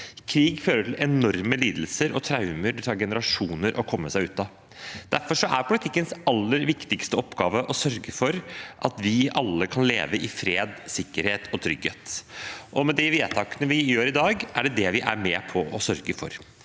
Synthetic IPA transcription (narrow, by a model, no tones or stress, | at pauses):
kʰɾiːɡføːɾəʈʰɪlɛnɔɾməliːd̪l̩səɾɔt̪ʰɾɑʉməɾt̪ʰɑːɡɛnəɾɑʂuːnəɾʔɔkʰɔmːəsæɪʉːt̪ɑ | d̪æɾfɔʂɔʔæɾpʰʊlɪt̪ʰɪkːənsɑlːəɾʋɪkt̪ɪkst̪əɔpːɡɑːʋəʔɔsœɾɡəfɔɾʔɑt̪ʋɪɑlːəkʰɑnlḛːʋəʔɪfɾeːd̪sɪkːəɾheːt̪ɔt̪ʰɾʏɡheːt̪ʔɔmɛd̪ɪʋeːt̪ʰɑːkənəʋɪjøːɾɪd̪ɑːɡæɖɛd̪ɛʋɪʔæ̰ɾmɛːpʰɔɔsœɾɡəfɔ̰ɾ